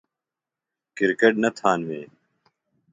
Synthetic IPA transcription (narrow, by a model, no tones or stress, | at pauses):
kiɾkeʈ̚nɐt̪ʰaːnʋeː